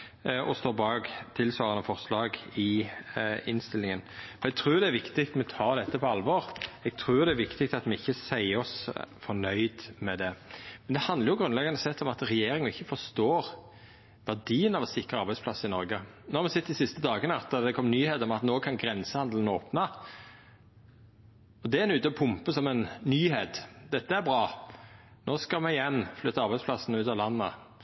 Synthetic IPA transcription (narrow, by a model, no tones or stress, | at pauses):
ʔɔst̪oːbɑːɡt̪ʰɪlsʋɑːɾɑnəfɔʁslɑːɡɪ | ɪnst̪ɪlːɪŋənɔɛɡ̚t̪ʰɾʉːd̪ɛæɾʋɪkt̪ɪkt̪mɛt̪ʰɑːɾd̪ɛt̪ːəpʰɔɑlʋɔɾɛɡ̥̚t̪ʰɾʉːd̪ɛæɾʋɪkt̪ɪk̚t̪ɑt̪mɛɪçːəsæɪɔsfɔnœʏd̪mɛd̪ɛmɛnd̪ɛhɑnd̪əɾjʊɡɾʉnlɛɡɑnd̪əsɛt̪ːɔmɑt̪ʁɛjeːɾɪŋəɪçːəfɔst̪oːɾ | ʋæʁd̪iːənɑʋɔsɪkɾəɑɾbæɪspʰlɑsːɪnɔɾɡənoːhɑɾmɛsɪt̪ːd̪ɪsɪst̪əd̪ɑːɡənəɑt̪̚d̪ɑd̪ɛkʰɔmnyːheːt̪ɔmɑt̪noːkʰɑnɡɾɛnsəhɑnd̪lənoːpnə | ɔd̪ɛænʉːt̪əɔpʰʊmpəsɔmɛnːyːheːt̪d̪ɛt̪ːəæɾbɾɑː | noːskɑlmɛɪjɛnːflʏt̪ːəɑɾbæɪsplɑsːənəʉːt̪ɑʋlɑnːə̰